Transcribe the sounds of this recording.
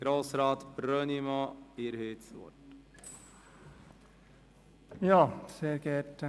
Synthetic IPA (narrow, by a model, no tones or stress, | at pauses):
ɡ̥ɾoːsɾɑːt̪b̥ɾœnimoeːɾheːt̪sɔ̰ʈ | jɑːseːkəʈ